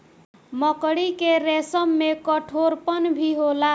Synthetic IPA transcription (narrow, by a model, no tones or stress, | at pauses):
məkɽikeɾesəmːekəʈʰoɾpənbʱiɦola